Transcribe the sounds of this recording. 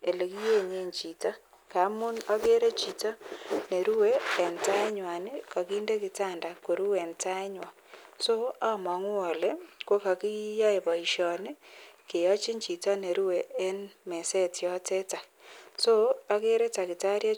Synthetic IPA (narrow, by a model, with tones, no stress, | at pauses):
e˨le˨ki˦je˦˨ɲe˦ɲt͡ʃi˨ta˦ | ka˨˦mʊ˦na˦ke˦ɾe˦t͡ʃi˨ta˦ne˨ɾu˦weː˦˨nta˦e˦ɲwa˨ne˦ka˨ki˦nde˦kɪ˨ta˦nda˨ko˨ɾu˦we˨nta˦e˦ɲwa˨ | so˦a˦mɔ˨ŋu˦o˨le˦kwo˦ka˨ki˦ja˦e˨βa˨i˨ʃɔ˨ne˦ke˨ɔ˦t͡ʃi˦ɲt͡ʃi˨ta˦ne˨ɾu˦we˨ʔe˦nme˨se˦tjɔ˦te˦ta˨so˦a˦ke˦ɾe˦ta˨kɪ˨ta˦ɾja˦